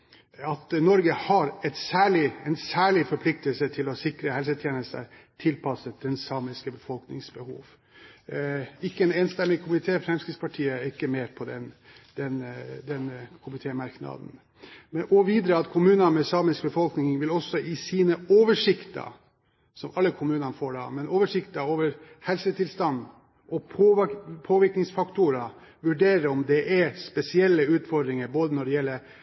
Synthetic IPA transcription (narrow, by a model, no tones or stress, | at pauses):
ɑt̪nɔɾɡəhɑɾɛt̪sæːɭɪɛnsæːɭɪfɔɾpʰlɪk̚t̪əlsət̪ʰɪlɔsɪkɾəhɛlsət̪ʰjeːnəst̪ə̰t̪ʰɪlpʰɑsəd̪ɛnsɑːmɪskəbəfɔlknɪ̰ŋsbəhṵːʋ | ɪkːəɛneːnst̪ɛmːɪkʰʊmɪt̪ʰeːfɾɛmskɾɪt̪spʰɑʈʰiːəɪkːəmeːɾpʰɔd̪ɛnd̪̥ɛnd̪ɛnkʰʊmɪt̪ʰeːmɑɾknɑ̰d̪n̩ | mɛnɔʋiːd̪ɾəɑt̪kʰʊmʉːnənmɛsɑːmɪsk̚bəfɔlknɪŋʋɪlɔsːɔʔɪsiːnəoːʋəʂɪkt̪ə̰ | sɔmɑlːəkʰʊmʉːnɑnfoːɖɑ̰ːmɛnoːʋəʂɪkt̪ɑoːʋəɾ | hɛlsət̪ʰɪlst̪ɑnd̪ | ʔɔpʰopʰoːʋɪɾknɪŋsfɑkt̪ʊɾɑʋʉɖeːɾəɔmd̪ɛʔɛspɛsɪɛlːəʉːt̪fɔɾd̪ɾɪŋəɾboːd̪ənɔɖɛjɛlːə